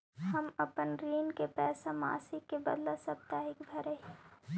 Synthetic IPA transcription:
həmɐpənɾiːnkepɛːsama̰ːsɪkːebəd̪lasəbt̪aːɦɪkbʱɐɾəɦi

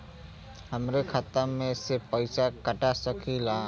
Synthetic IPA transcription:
ɦəmɾekʰat̪əmẽsepəɪsakəʈasəkʰila

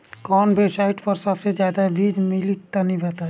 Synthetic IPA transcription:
kɔːnbʱesaiʈʰpəɾsəbsed͡ʒjaːd̪aɦɛbiːd͡ʒmilik̚t̪anĩbʱɛt̪a

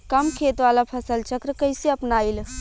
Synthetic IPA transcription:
kəmkʰet̪ʋalapʰəsəlt͡ʃʰəkɾəkəjseəpnail

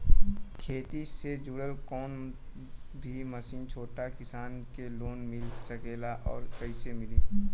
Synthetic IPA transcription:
kʰeːt̪ised͡ʒuːɽəlkɔːn | bʱiməsiːnt͡ʃʰoːʈakɪsaːnkeloːnmɪlsəkeːlaʔɔ̰ːɾkəɪsemɪliː

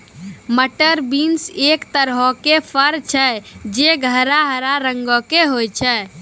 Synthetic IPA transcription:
məʈəɾbinsekt̪əɾɦɔkepʰəɾt͡ʃʰɛd͡ʒeɡʱəɾaɦəɾaɾəŋɡɔkeɦojt͡ʃʰɛ

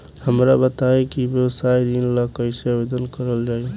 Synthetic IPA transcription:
həmɾabət̪aekibjəwsaiɾinlakəɪseabed̪ənkəɾəld͡ʒaj

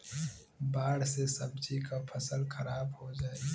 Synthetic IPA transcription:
baːɽsesɐb̚d͡ʒikapʰəsəlxʰɐɾaːbhod͡ʒaːe

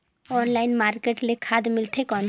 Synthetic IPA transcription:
ɔnlaɪnmaːɾkeʈlekʰad̪mɪlʈ̪ʰekɔn

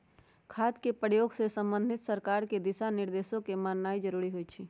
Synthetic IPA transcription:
kʰaːd̪kepɾəjoːɡsesə̃mbə̃nd̪ʱɪt̪səɾkaːɾked̪ɪʃanɪɾd̪eːʃõkemaːnnaːid͡ʒəɾuːɾiɦoit͡ʃʰiː

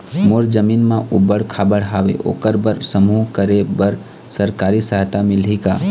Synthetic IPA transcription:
moɾd͡ʒəminmãʔubəɽkʰabəɽɦaʋḛʔo̰kəɾbəɾsəmukəɾebəɾ | səɾkaɾisəɦt̪amilɦika̰

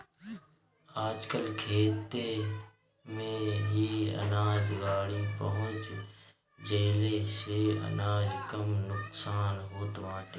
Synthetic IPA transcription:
aːd͡ʒkəlkʰeːt̪e | mẽɦiə̰naːd͡ʒɡaːɽĩpəɦʊ̃t͡ʃ | d͡ʒeːleseə̰naːd͡ʒkəmnʊksaːnɦoːt̪ʋãːʈe

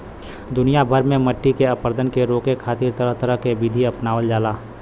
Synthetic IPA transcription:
d̪ʊnijabʱəɾmẽmɐʈːikeɐpɾd̪ʱənkeɾoːkekʰaːt̪ɪɾt̪əɾəɦt̪əɾəɦkebid̪ʱiɐpnaːʋəld͡ʒaːlaː

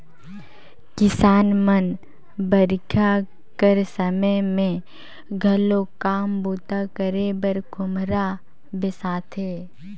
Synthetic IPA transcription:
kɪsaːnmən | bəɾkʰja | kəɾsəməmẽ | ɡʱəlokaːmboːt̪akəɾebəɾɡʊmɾa | bɪsaːt̪ʰeː

